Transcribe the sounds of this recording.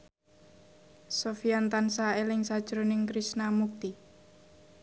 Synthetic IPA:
sofijant̪ansaelɪŋsad̥ʒ̥ɾonɪŋkɾisnamuk̚t̪i

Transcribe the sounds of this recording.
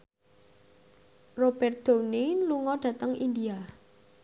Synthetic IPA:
rob̥ɛr̚d̪̥o̤niluŋɔɖ̥ä̤t̪əŋind̪ia

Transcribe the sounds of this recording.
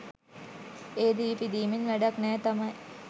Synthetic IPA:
eːd̪iːpid̪iːminʋæɖaknɛːt̪amɐj

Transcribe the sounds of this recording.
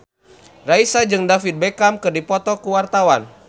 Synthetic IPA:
raisad͡ʒɨŋdafit̪̚bekamkɨrdipɔt̪ɔkuwart̪awan

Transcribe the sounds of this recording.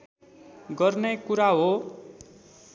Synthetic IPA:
ɡʌrnekuɾaɦo

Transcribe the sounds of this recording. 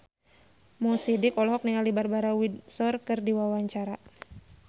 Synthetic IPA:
mɔsidikɔlɦɔk̚niŋalibarbaɾawidsɔrkɨrdiwawaɲt͡ʃaɾa

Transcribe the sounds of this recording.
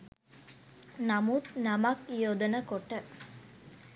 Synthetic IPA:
namut̪namakjoːd̪ənəkoʈːə

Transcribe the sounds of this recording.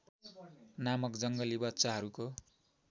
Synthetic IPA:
namʌkd͡zʌŋɡʌlibʌtt͡saɦʌɾuko

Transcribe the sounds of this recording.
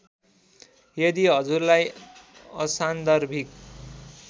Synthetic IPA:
jʌd̪iɦʌd͡zurlaj | ʌsand̪ʌrbʱik

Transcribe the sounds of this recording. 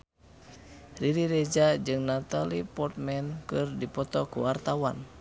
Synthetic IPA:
riɾiɾɛd͡ʒad͡ʒɨŋnat̪alipɔrt̪̚mɛnkɨrdipɔt̪ɔkuwart̪awan

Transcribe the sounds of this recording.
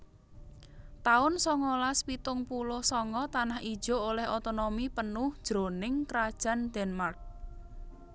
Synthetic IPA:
t̪aʊnsɔŋɔlaspit̪ʊŋpulʊhsɔŋɔt̪anahid̥ʒ̥o̤olɛhot̪onomipənʊhd̥ʒ̥ɾo̤nɪŋkɾad̥ʒ̥a̤nd̪̥ɛnmark̚

